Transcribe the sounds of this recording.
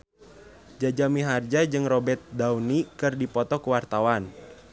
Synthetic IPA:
d͡ʒad͡ʒamiɦard͡ʒad͡ʒɨŋrɔbɛt̪̚dawnikɨrdipɔt̪ɔkuwart̪awan

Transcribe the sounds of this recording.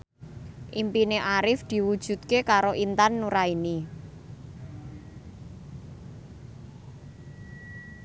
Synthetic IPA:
ʔimpineʔaɾɪfd̪̥i̤wud̥ʒ̥ṳt̪̚kekaɾoʔint̪anːuɾaini

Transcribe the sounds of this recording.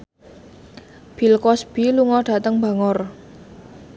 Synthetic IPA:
b̥ilkɔsb̥i̤luŋɔɖ̥a̤t̪əŋmba̤ŋɔr

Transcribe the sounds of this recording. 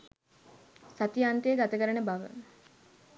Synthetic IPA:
sat̪ijant̪ejːɡat̪əkəɾənəbaʋə̰

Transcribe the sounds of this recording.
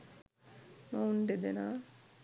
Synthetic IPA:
mauɳɖed̪enaː

